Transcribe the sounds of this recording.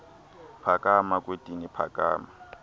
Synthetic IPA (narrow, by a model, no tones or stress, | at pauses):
pʰakʼamakʼwetʼinɪpʰa̰kʼa̰ːma